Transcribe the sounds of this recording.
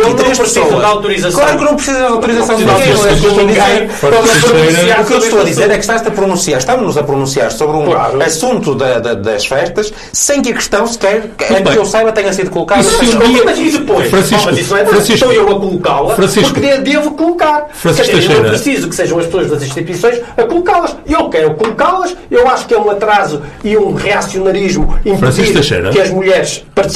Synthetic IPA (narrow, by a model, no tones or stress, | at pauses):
ĩt̪ɾeʃpɾɨsozɐɐʃd̪awt̪uɾizɐsklˠaɾuknɐ̃w̃pɾsizɐd̪awt̪uɾizɐsɐ̃w̃d̪ĩɡ̪̃ñɛukewʃt̪owɐðiizeɾ | ɐ̃koejɐaɾukewʃt̪owɐðizeɾɛkʃt̪aʃzɐpɾunũsiaɾʃt̪ɐmuʒnuzɐpɾunũsiaɾsoβɾũka̰ɾɐsũnt̪uðɐd̪ɐd̪ɐʃfɛʃt̪ɐʃ | sẽj̃kɐkɨ̥ʃt̪ɐ̃w̃sɨ̥kɛɾ̃ | ɐ̃ewsajβɐt̪ɛɲɐsiðukulˠukaðiɐĩiɐiðɨpojʃfɾɐ̃simɐzisñɛ̃fɾɐ̃siʃt̪ɐ̃w̃ewɐkulˠukalˠɐfɾɐ̃siʃɾkðed̪evukulˠukaɾɾɐ̃sɐʃɐɐɛ̃ɾɐppɾɨsizukɨ̥seʒɐ̃w̃ɐʃpsoɐʒðɐzĩʃt̪it̪wisõj̃ʃɐkulˠukaɾlˠɐʃewkɛɾukulˠukaɾlˠɐʃewaʃu̥kɛũɐt̪ɾazuiũʁɨasiunɐɾiʒmuĩmpfɾɐ̃siʃiʃɐʃɐ̰jɾɐ̰kɨɐʒmuʎɛɾʃpɐɾt̪